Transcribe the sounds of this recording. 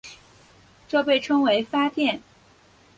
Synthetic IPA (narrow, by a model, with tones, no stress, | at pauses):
ʈ͡ʂɤ˥˧pe˥˩ɪʈ͡ʂʰɤ˥ŋwe˧˥ɪfa˥t̪jɛ˥˩n